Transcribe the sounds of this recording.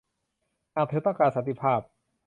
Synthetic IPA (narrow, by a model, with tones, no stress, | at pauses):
ʔaː˧˩t̪ʰe˦˥pːa˧kaː˧nsa˨˧˦nt̪i˧˩pʰaː˥˩p̚